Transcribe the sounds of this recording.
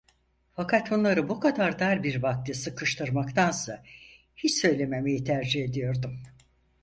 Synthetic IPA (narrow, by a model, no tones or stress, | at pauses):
fakʰat̪bunlˠaɾɯbukʰad̪aɾd̪aɾbiɾbak̚t̪ʰʲɯsɯkʰɯʃt̪ʰɯɾmakt̪ʰansa | hit͡ʃsø̞jlʲe̞me̞me̞jit̪ʰæɾd͡ʒihe̞d̪ijo̞ɾd̪um